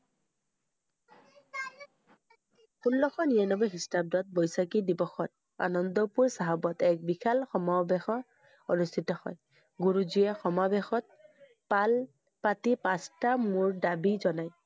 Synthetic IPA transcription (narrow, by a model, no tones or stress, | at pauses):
xunlɔxɔnianɔbɔɦistab̚dɔt̚bɔjsakidibɔxɔt̚ | a̰nɔnd̪ɔpuɹsaɦabɔtɛk̚bikʰalxɔmabexɔ | onust̪ʰitɔhɔj | ɡuɹuzijaxɔmabexɔt̚ | pal | patipãstamuɹdabizɔnaj